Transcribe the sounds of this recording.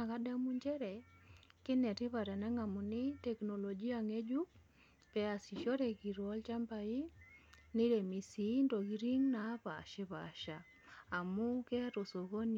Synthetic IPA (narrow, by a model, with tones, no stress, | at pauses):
a˨ka˦da˦mu˦ɲd͡ʒɛ˦ɾɛ˨kɪ˦nɛ˨tɪ˦pa˨ɾɛ˨nɛ˦ŋa˨mu˨nɪ˦tɛ˨kno˨lo˨d͡ʒi˦a˨ŋe˦d͡ʒu˦ | pɛ˦a˨si˨ʃo˦ɾe˨ki˨ɾwɔ˦lt͡ʃa˦mpa˨i˦ | nɪ˦ɾe˨mi˨si˨˦nto˨ɡi˦ɾi˦ŋna˨˦pa̰˨ʃɪ˦pa̰ʃaː˨ | mʊ˦kɛ˦ɾo˨so˨ko˦n